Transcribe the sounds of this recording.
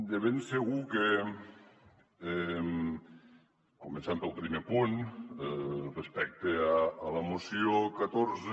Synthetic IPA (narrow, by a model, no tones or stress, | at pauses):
d̪eβenseɣuke | ɛ | kumensampəlˠpɾimepun | respɛk̚t̪eaːləmusijokat̪oɾze